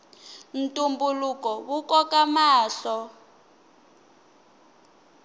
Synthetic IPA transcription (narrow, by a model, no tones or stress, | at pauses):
n̩tʼumbulukɔwukɔkamaːɬɔ